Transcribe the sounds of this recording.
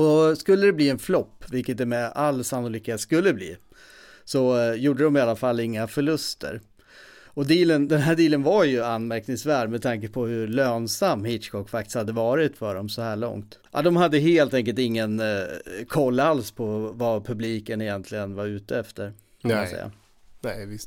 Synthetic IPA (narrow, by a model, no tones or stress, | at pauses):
ɔdskɵlːəd̪ɛbliːɛnflɔpːvɪlkət̪ɛmɛalːsanːʊliːkheːt̪skɵlːəblḭː | sɔjuːɖəd̪ɔmɪalːafalːɪŋːafœɭɵst̪ə̰ɾ | ɔd̪iːlənd̪ɛnɦæːɖiːlənvajɵanːmæɾknɪŋsvæːɖmɛt̪ʰaŋkəpʰɔhɵɭøːnsamːhɪt̪t͡ʃkʰɔkːfak̚t̪ɪ̥shad̪ːəvɑːɾɪt̪fœɖɔmsɔhæːɭɔ̰ŋt̪ʔa̰d̪ɔmhad̪ːəheːlt̪ɛŋk̬əlt̪ɪŋːənkʰɔlːalspʰɔvapʰɵbliːkənɛjɛnt̪ʰlɪɡənvaɾʉ̟ːt̪əɛft̪əɾ | aasɛ̰jːa̰ | nɛvɪs